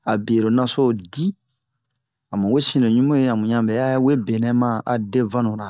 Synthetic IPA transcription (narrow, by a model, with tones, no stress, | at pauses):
a˨be˨ɾo˨nã˦so˦˨di˦ | a˨mũ˨we˦sĩ˦no˨ɲũ˦mũ˦je˦ã˨mũ˨ɲã˦bɛ˨a˦we˦be˨nɛ̃˦mã˦ʔa̰˨de˦vã˦nũ˨ɾa˨